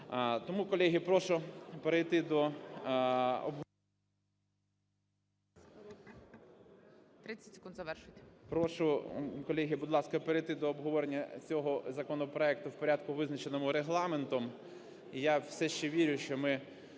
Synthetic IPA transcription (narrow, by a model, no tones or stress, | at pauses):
t̪ɔmukɔlʲɛɦʲipɾɔʃʊpeɾejt̪ɪd̪ɔ | ɔ̰bɦ | t̪ɾɪt͡sʲːɐ̥tʲsʲe̥kund̪zɐʋɛrʃʊtʲpɾɔʃʊkɔlʲɛɦʲibʊd̪lˠɑskɐpeɾejt̪ɪd̪ɔːbɦɔʋɔɾenʲːɐt͡sʲɔɦɔzɐkɔnɔpɾɔɛk̚t̪ʊwpɔɾʲɑd̪kʊʋɪznɐt͡ʃenɔmʊɾeɦlˠɑment̪ɔm | ijawsɛʃt͡ʃɛʋʲiɾʲʊʃt͡ʃɔmɪ